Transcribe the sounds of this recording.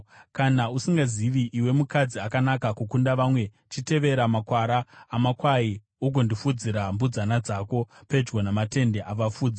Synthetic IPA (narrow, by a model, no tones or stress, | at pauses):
kanausiŋɡaziʋiʔiwe̞mukad͡ziakanakakukundaʋamwe̞ | t͡ʃite̞ʋe̞ɾamakwaɾaːmakwai | uɡ̬o̞ndifud͡ziɾambud͡zanad͡zaːko̞pe̞d͡ʒɡonamate̞nde̞ʔaʋafuːd͡za